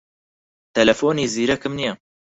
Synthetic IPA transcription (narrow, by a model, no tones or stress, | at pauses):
t̪ɐlɐfoːniːziːɾɐkɨmnijɐ